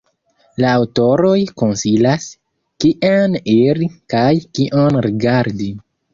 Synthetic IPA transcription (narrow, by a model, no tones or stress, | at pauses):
laːwto̞ɾo̞jko̞nsilas | kiʔeniɾikajkiʔonɾiɡaɾdi